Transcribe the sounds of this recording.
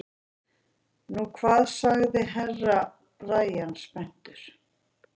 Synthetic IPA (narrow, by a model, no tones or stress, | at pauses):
nukʰvaːðsaɣðɪɦɛrːa | raːjanspɛn̥t̪ʏɾ̥